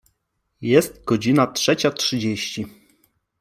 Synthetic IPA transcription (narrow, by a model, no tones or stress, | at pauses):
jɛst̪̚ɡɔd͡ʑinatʂɛt͡ɕatʂɘd͡ʑeɕt͡ɕi